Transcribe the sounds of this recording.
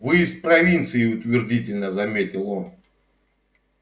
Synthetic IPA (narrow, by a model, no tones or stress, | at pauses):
vɨjɪst̪pɾɐvʲint̪sɨɪʊt̪vʲɪrdʲitʲɪlʲnəzɐmʲetʲɪlˠon